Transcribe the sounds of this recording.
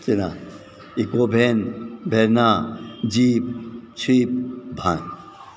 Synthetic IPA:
t͡ʃina | ikobʱenbʱeɾnad͡ʒipt͡ʃʰip̚bʱan

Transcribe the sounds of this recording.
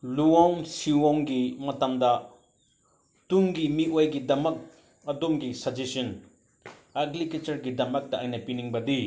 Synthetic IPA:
luɔŋsiwɔŋɡimɐtɐmdɐ | tuŋɡimiʔojɡidɐmɐk̚ | ɐdomɡisɐd͡ʒesin | ɐɡliket͡ʃɐɾɡidɐmɐk̚dɐʔajnɐpiniŋbɐdi

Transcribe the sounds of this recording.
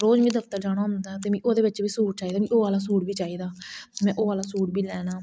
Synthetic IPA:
ɾoːd͡ʒmĩːd̪əpt̪əɾd͡ʒaːɽ̃aːɦʊ̃nd̪aːt̪eːmĩːʔoːd̪eːʋɪt͡ʃbiːsuːʈ̚t͡ʃaːiːd̪aːmĩːʔoːʋaːlaːsuːɽbiːt͡ʃaːiːd̪aːmɛ̃ːʔoːʋaːlaːsuːɽbiːlɛːnaː

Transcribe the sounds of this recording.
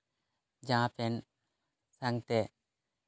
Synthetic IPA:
d͡ʒãpɛn | saŋt̪ɛ

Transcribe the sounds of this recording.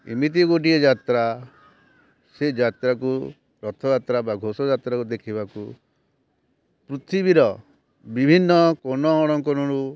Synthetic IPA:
ḭmit̪̬iɡoʈ̬iɔd͡ʒat̪ɾa | sed͡ʒat̪ɾaku | ɾɔt̪ʰɔd͡ʒat̪ɾabaɡʱosɔd͡ʒat̪ɾakud̪ekʰibaku | pɾut̪ʰibiɾɔ | bibʱinːɔkɔnɔɔɽ̃ɔŋkɔnɔɽu

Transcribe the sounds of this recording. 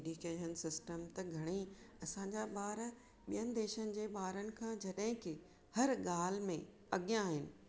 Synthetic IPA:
ɖjukeːʃənsɪsʈəmt̪ɐɡʱɐɽ̃i | ɐsãɲd͡ʑaɓaːɾ | ɓijənɪ̆d̪eːʃənɪ̆d͡ʑeːɓaːɾənɪ̆kʰãːd͡ʑɐɗɦɪ̃kɪ | hɐɾɡaːl̤mẽ | ɐɠjãːɦɪnɪ̆

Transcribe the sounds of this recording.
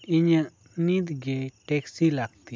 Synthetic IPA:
iɲəʔ | nid̪ɡɛʈɛksilaɡ̚t̪i

